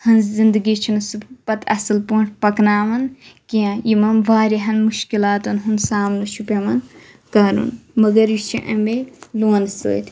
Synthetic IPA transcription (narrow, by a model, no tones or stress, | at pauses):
hɐnzind̪ɨɡit͡ʃʰinɐsuppɐt̪ʰɐ̰sɨlpuːɳʈʰpɐknaːmɐnkiãjimɐmʋaːɾiɦɐnmuʃkilaːt̪ɐnɦunsaːmnɨʃupʲemɐn | kaɾṵnmɐɡɐɾjit͡ʃʰiʔɐmeluːnso̰ːt̪ʲ